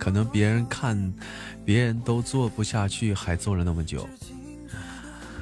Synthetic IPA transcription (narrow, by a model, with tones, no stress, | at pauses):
kʰɤ˨˩nɤ˧˥ŋpjɛ˧˥ɻə˧˥nkʰa˥˩n | pjɛ˧˥ɻə˧˥nt̪o˥ʊt͡swɔ˥˩pu˧˥ɕja˥˧t͡ɕʰy˥˩xa˧˥ɪt͡swɔ˥˩lə˩na˥˩mə˩t͡ɕjo̰˨˩˦ʊ